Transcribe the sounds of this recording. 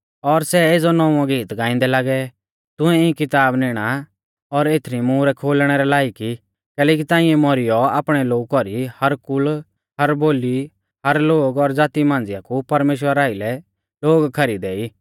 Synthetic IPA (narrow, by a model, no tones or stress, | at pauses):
ɔɾsɛeːd͡zɔnɔːũãɡiːt̪ɡãːɪ̃nd̪ɛlaːɡɛ | t̪ʊ̃ɛɪ̃kɪt̪aːbnɪːɽ̃a | ɔɾeːt̪ʰɾimũːɾɛkʰoːlɽ̃ɛɾɛlaːiki | kɛːlɛːk̬it̪ãːɪ̃ɛmɔɾɪjɔaːpɽ̃ɛloːɡkɔɾihɐɾkʊl | hɐɾboːli | hɐɾloːɡɔɾd͡zaːt̪imãːn̆d͡zɪjakupɐɾmeːʃ̬wəɾaːɪlɛ | loːɡkʰɐɾid̪ɛːiː